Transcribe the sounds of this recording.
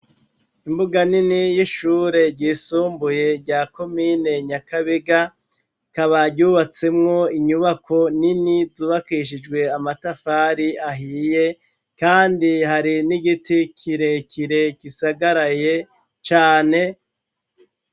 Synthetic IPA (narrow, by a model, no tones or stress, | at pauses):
imbuɡaninijiʃuːɾe̞ɾɟiːsuːmbuje̞ɾɟaːko̞mine̞ɲakaβiɡa | kaβaɟuːβat͡se̞mŋo̞iɲuβako̞ninizuːβakiʃ̬id͡ʒɡwe̞amatafaɾiaɦije̞ | kaːndihaɾiniɡitikʰiɾe̞kiɾe̞kisaɡaɾaje̞ | t͡ʃaːne̞